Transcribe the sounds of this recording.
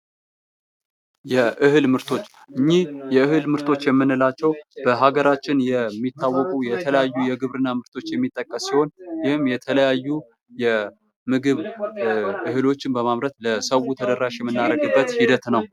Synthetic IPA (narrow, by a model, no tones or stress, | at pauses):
jɛʔɨhɨlmɨɾt̪ʰo̞t͡ʃː | ʔɨɲːijɛɨhɨlmɨɾt̪ʰo̞t͡ʃːjɛmːɨnːɨlat͡ʃːɛwb̥əɦaɡəɾat͡ʃːɪnjɛmːit̪ːawːɔkʼujɛt̪ʰələjajːujɛɡɨβɾɨnːamɨɾt̪ʰo̞t͡ʃːjɛmːit̪ʼːəkʼːəsːiho̞njɪhɨmjɛt̪ʰələjajːu | jɛ | mɨɡɨβ | ʔɨhɨlo̞t͡ʃːɪnbəmaβɾət̪ləsəwut̪ʰəd̪əɾːaʃjɛmːɨnːaɾəɡɨbːət̪hid̪ət̪nəw